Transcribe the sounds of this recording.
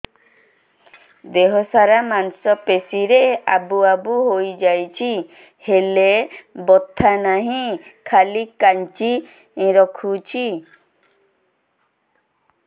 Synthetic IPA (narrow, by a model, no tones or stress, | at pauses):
d̪eɦɔsaɾamansɔpesiɾeʔabuabuɦojd͡ʒajt͡ʃʰi | helebɔt̪ʰːanaɦĩkʰalikaɲt͡ʃĩ | ɾɔkʰut͡ʃʰi